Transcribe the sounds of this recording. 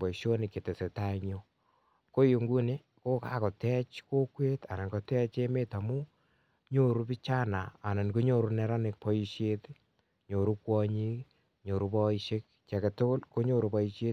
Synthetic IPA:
bɔ˨i˨ʃo˦nɪ˨ke˨te˨se˨ta˦iɲo˦ | ko˦ju˨ŋɡu˦ne˦ | ko˦ka˨kɔ˨tɛ˦t͡ʃko˦kwe˦ta˨na˨nkɔ˨tɛ˦t͡ʃe˦me˦ta˨mu˦ | ɲo˦ɾu˦pi˦t͡ʃa˦naː˨na˨nko˦ɲo˦ɾu˦nɛ˦ɾa˦nɪ˨k̚pɔ˦ji˦ʃe˦t | ɲo˨ɾu˦kwɔ˦ɲi˦k | ɲo˨ɾu˦pɔ˦iʃe˦k̚ | t͡ʃɛ˨ke˨tʊ˦kʊ˦lko˦ɲo˦ɾu˦pɔ˦i˦ʃe˦

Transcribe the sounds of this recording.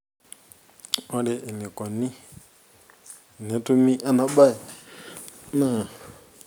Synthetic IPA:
ɔ˦lɛ˨ʔni˨kɔ˨ni˦˨ | nɛ˨˦tu˦mi˦ʔa˦na˨ɓa˦i˨ | na˦˨

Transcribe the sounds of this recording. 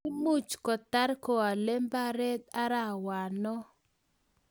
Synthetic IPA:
u˦mu˦˨t͡ʃkɔ˨ta˦ɾko˨a˨le˦mba˦ɾɛ˦t̪a˦ɾa˦˨wa˨nɔ˦

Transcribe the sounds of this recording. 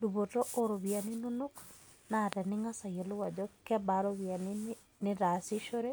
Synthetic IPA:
du˨βo˨to˦ʔo˦ɾo˨βja˨nɪ˦nu˦no˦k | na˨dɛ˨nɪ˦ŋa˦sa˨je˨lʊ˦wa˨d͡ʒɔ˦kɛ˦ba˨ɾo˦βja˨ni˦ | nɪ˦ɾa˨sɪ˦ʃo˦ɾe˦

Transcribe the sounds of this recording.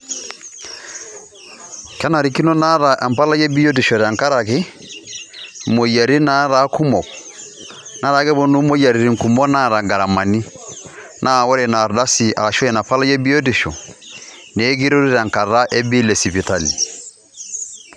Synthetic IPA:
ka˦na˨ɾi˨˦ki˦nɔ˦na˦ɾa˨ʔa˨mpa˦la˦jɛ˦bi˦ɔ˦di˨ʃɔ˨ɾa˨ŋka˦ɾa˨kɛ˦ | mo˨ja˨ɾi˦na˦ɾa˦ku˦mɔ˨ | na˨˦ɾa˨˦ɣɛ˦βɔ˦nu˦mo˦ja˨ɾi˨ɾi˨ŋ˨ku˨mɔ˦na˦˨ɾa˨ŋɡa˨ɾa˨ma˨ni˦ | nʔa˦˨wɔ˦ɾɛ˨na˨ɾda˦si˨a̰˨ɾa˨ʃɔ˦jɛ˨na˨pa˦la˦jɛ˦bi˦ɔ˦di˨ʃɔ̰˨ | ne˨˦ɡi˦ɾo˦ɾi˦ɾa˨ŋka˨ɾa˦ʔɛ˦bi˦lɛ˨si˨pi˨ta˦li˨

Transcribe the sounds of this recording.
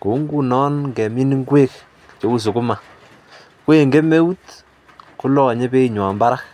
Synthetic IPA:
ku˨˦ŋɡu˦nɔ˦nŋɡɛ˨mi˦ni˦ŋɡwe˦k | t͡ʃo˦u˦s̬u˨ku˦ma˨ | kwe˨ŋɡe˦me˦u˦t | ku˦lɔ˨ɲe˦pe˦i˨ɲwa˨mba˦ɾa˦k

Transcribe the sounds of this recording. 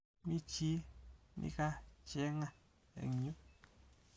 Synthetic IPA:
mĩ˦t͡ʃi˦nʔḭ̃˦ka˦t͡ʃɛ˨˦ŋã˦ | ḛ˨ɲu˦

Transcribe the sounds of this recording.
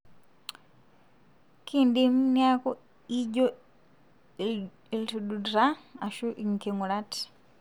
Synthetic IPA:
kʰindi˨mu˦nja˦ko˦ | i˦ɟo˦ | i˨li˨tu˨du˨dɾa˦a˨ʃu˦ʔiŋ˨ke˨ŋu˨la˦ti̥

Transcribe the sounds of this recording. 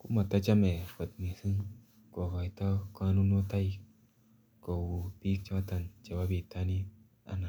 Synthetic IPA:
ku˦ma˨ta˦t͡ʃa˦me˨fə˨t̪̚ni˨sɨ˦ŋ | kɔ˨ka˨jtɔ˦ka˧˦nu˦nɔ˦ta˦ji˦ | kɔ˨wu˨pi˦k̚t͡ʃa˦a˦ta˨nt͡ʃa˨wa˦bi˨ta˦ni˦ | a̰˨˦na˨

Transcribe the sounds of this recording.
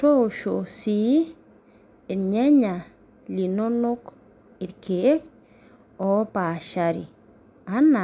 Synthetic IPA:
to˦ʃosi˦ | iɲɛ˦ɲa | lino˦no˦k | i˨ɾkee˦k | ɔ˦paʃaɾḭ˨ | ana˨

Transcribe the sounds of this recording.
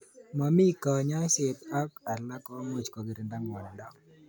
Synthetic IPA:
ma˨mi˦ka˨ɲa˦ʃe˨t̪a˦ka˨la˦kɔ˦mo˨t͡ʃkɔ˨ɡɪ˨ɾɪ˨nda˦ŋmɔ˨nɪ˨nda˦ŋ

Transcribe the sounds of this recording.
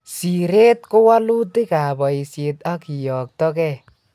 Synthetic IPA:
si˨ɾe˦t̪̚kʊ˦wa˦lu˦ti˦ka˨bɔ˨i˨se˨t̪a˦ki˨jɔ˨k̚t̪ɔ˦kɛ˦˨

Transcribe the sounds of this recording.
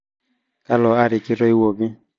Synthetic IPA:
ka˦lɔ˨a˦ɾɪ˨kɪ˦ɾɔ˦i˦wo˨ɡi˦

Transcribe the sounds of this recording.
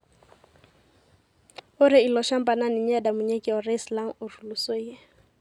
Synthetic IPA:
ʊ˦ɾɪ˦i˨lɔ˨ʃa˦m̩˦pʼa˨na˦nɪ˨ɲ̩˦a˦da˨mʊ˨ɲe˦kʼɪ˨ɔ˨ra˦isla˦ŋ̩˦ʊ˨ru˨lu˨so˦i˦e˦

